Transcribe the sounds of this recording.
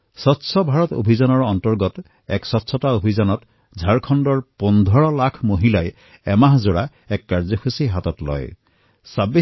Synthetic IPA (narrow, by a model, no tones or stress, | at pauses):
sɔtsʰɔbʱaɹɔto̰bʱizanɔɹɔntɔɹɡɔt | ɛksɔtsʰɔtaobʱizanɔt | zʱaɹkʰɔndɔɹpɔndʱɔɹɔlakʰmoɦilaj | ɛmaɦzoɹa | ɛkːaɹzɔxʰusiɦatɔtlɔ̰j | sabi